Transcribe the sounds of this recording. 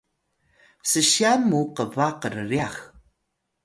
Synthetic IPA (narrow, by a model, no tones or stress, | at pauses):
səɕiamuqəvaqərriax